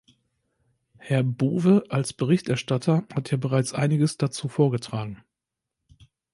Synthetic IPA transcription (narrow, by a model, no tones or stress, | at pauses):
hɛɐbuːvəʔalsb̥əʁɪçtʔɛɐʃtatʰɐhatjaːbəʁaɪt͡sʔaɪnɪɡəsd̥at͡suːfoːɐɡətʁ̥aːɡŋ̩